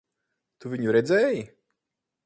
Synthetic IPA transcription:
t̪uviɲuɾɛd̪zʲɛːji

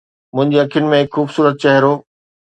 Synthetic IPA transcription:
mʊ̃ɦɪ̃ɲd͡ʑeɐkʰjʊnɪ̆mẽɦɪkxuːbsuːɾət̪̚t͡ɕɐɦɪɾoː

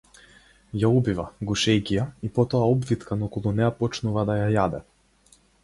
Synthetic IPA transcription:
jaubivaɡuʃɛjkʲijaipɔt̪ɔaɔbvit̪kanaukɔlˠunɛjapɔt͡ʃnuvad̪ajajad̪ɛ̰

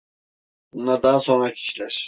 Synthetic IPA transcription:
bunad̪aːso̞nɾacʰi̥ʃlʲæɾ̥

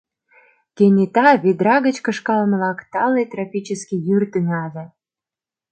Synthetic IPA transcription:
kenʲet̪ɑβid̪ɾɑɣət͡ɕkə̆ʃkɑlməlɑkt̪ɑlːet̪ɾɑpʲit͡ɕəskʲijyrt̪ynɑle

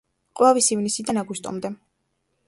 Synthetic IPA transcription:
qʼwɛvisivnisid̪anaɡust̪ʼɔ̰md̪ɛ

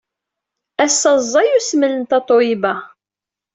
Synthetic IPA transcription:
æsːɑzˤːɑjusmələnt̪ɑt̪ˤoibæ

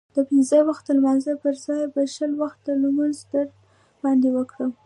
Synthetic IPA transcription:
d̪̥əpinzəwaxt̪̚ːəlmɑnzəpəɾzɑjbəʃəlwaxt̪̚d̪əlmanzd̪əɾd | b̥ɑnd̪ewəkɽə

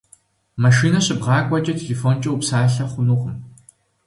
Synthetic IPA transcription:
mɐʃiːnɐɕʼɪbʁɑːkʷʼɐt͡ʃʼɐtʰeɬefoːnt͡ʃʼɐwupsaːɬɐχʷʊnuqʷʼəm

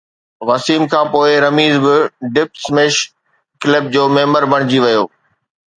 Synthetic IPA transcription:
ʋɐsiːmkʰãːpoːɪɾɐmiːzbɪɖɪpsmeːʃ | klɪb̚d͡ʑoːmẽːməɾbɐɽ̃ɪd͡ʑiʋɐjo̰ː

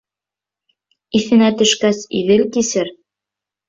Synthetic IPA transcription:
iθɘ̆næt̪ɵ̆ʃkæsḭðɘlkisɘɾ

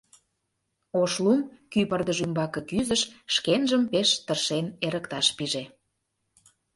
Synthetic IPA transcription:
oʃlumkypərd̪əʒymbɑkɤ̆kyzəʃʃkenʒəmpeʃt̪ərʃeneɾə̆kt̪ɑʃpiʒe

